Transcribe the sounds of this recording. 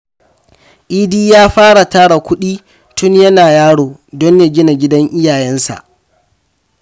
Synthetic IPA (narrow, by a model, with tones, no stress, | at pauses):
ʔiː˦diː˦jaː˦ɸaː˦ɽa˨taː˦ɽa˨kʷʊ˦ɗiː˦ | tʊ˦njɐ˦naː˨jaː˦ɽoː˨dɔ˦ɲja˨ɡʲɪ˦na˨ɡʲɪ˦dɐ˦ŋʔɪ˦jaː˨jɛ˦nsa̰˨ʔ